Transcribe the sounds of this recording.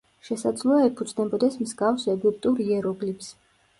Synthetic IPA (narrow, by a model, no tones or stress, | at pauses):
ʃɛsad̪zlˠɔaɛpʰud̪znɛbɔd̪ɛsmzɡafsɛɡup̚t̪ʼuɾiɛɾɔɡlips